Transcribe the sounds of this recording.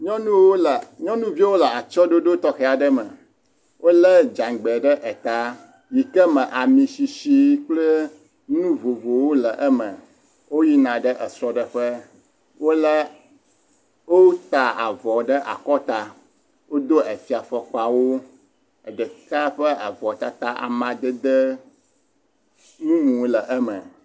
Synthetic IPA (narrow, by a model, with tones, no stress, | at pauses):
ɲɔ̃˦nũ˦wo˦lɲɔ̃˦nũ˦vi˦wo˦lə˨a˨t͡ʃɔ˦ɖo˦ɖo˦t̪ɔ˦xɛ˨a˨ɖə˦mə˨ | wʔo˦lə˦d͡ʒã˨ŋɡ͡bɛ˨ɖə˦ʔɛ˨t̪a˦ | ji˨kɛ˦mə̃˨ʔa˨mĩ˨si˨ʃi˦k͡plə˦ | nũ˦vo˨vo˨wo˦lə˨ʔɛ˦mə̰̃˨ | wo˦ji˦nã˨ɖə˦ʔɛ˨sɾɔ˨ɖə˨ɸə˦ | wo˦lə˦ | wo˦t̪a˨a̰˨vɔ˨ɖə˦ʔa̰˨kɔ˦t̪a˨ | wo˦d̪o˦ə˨fi˨a˨fɔ˨k͡pa˨wo˦ | ə˨ɖə˨ka˦ɸə˦a˨vɔ˨t̪a˨t̪a˦ʔa̰˨mã˨d̪ə˦d̪ə˦ | nũ˦mũ˨˦lə˨ʔə˦mə̰̃˨